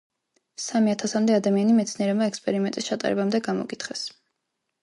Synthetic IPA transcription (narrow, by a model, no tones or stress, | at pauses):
samiat̪ʰasamd̪ɛad̪amianimɛt̪sʰniɛɾɛmaɛkspʼɛɾimɛnt̪ʼist͡ʃʰat̪ʼa̰ɾɛ̰bamd̪ɛɡamɔ̰kʼit̪ʰχɛs